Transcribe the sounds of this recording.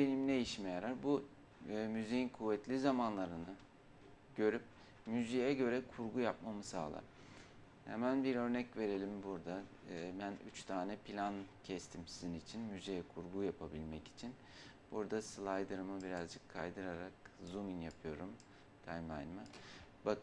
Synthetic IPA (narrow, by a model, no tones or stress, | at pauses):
benimd̪ejiʃmejaɾaɾbu | myzejinkʰuvːɛt̪lʲizamanlˠaɾɯnɯ | ɟ̥ø̞ɾyp̚ | myzijɛɟø̞ɾɛkʰuɾɡujap̚mamɯsa̰ːlˠa̰ | hḛmænbiɾø̞ɾnɛcve̞ɾe̞lʲimbuɾd̪a | bæny̰t͡ʃt̪ʰaːnɛpʰilʲancʰɛst̪ʰimsizinit͡ʃʰinmyzijɛkʰuɾɡujapʰabilʲmɛci̥t͡ʃʰin | b̥uɾd̪aslˠajd̪ɯɾɯmɯbiɾazd͡ʒɯkʰːa̰jd̪ɯɾaɾakzuminjapʰɯjo̞ɾum | t̪ʰajmajnmabakʰ